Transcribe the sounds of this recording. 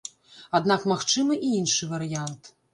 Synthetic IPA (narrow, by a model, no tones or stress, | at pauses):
ad̪nakmaxt͡ʂɨmɨʔiinʂɨvɐɾɨjant̪